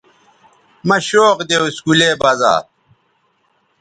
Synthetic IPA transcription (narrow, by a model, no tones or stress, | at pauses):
mɐɕoːqd̪ewiskuleːbaza̰ː